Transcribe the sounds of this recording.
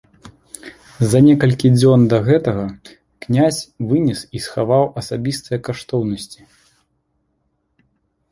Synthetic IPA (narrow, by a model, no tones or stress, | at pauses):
zɐnʲɛkɐlʲkʲid͡zʲɔnd̪ɐɣɛt̪ɐɣɐ | knʲasʲvɨnʲisisxavawʔɐsabʲist̪ɐjɐkaʂt̪ɔwnɐsʲt͡sʲi̥